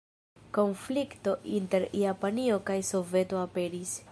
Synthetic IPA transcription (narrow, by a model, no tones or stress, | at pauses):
ko̞nflikto̞ʔinte̞ɾjapanio̞kajso̞ve̞to̞ape̞ɾis